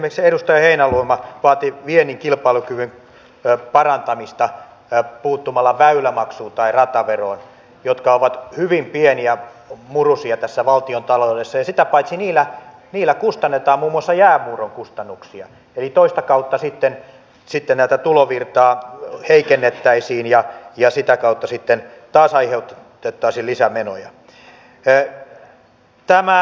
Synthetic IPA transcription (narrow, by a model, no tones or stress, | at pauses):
mekseɾust̪ɑjɑheinæluemɑʋɑːt̪iʋieniŋkilpɑilukyʋyn | pɑrɑnt̪ɑmist̪ɑ | puːt̪ːumɑlːɑʋæylæmɑksuːnt̪ɑirɑt̪ɑʋeroin | jot̪kɑoʋɑt̪hyʋimpieniæmurusiɑt̪æsːæʋɑlt̪iont̪ɑlodesːɑjɑsit̪æpɑit̪siniːlːˑæ | niːlːˑækust̪ɑnːet̪ɑːmmuːmːuɑsːɑjæːmuːroŋkust̪ɑnːuksiɑ̰ | elit̪oist̪ɑkɑut̪ːɑsit̪ːen | sit̪ːennæˑit̪æt̪uloʋirt̪ɑːheikenːet̪ːæisiːnjɑjɑsit̪ækɑut̪ːɑsit̪ːent̪ɑːsɑiheut̪t̪et̪ːɑisilisæmeno̰jɑ̰ | t̪æmæ